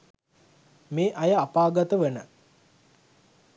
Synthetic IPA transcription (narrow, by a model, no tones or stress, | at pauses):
meːʔajəapaːɡat̪əʋenə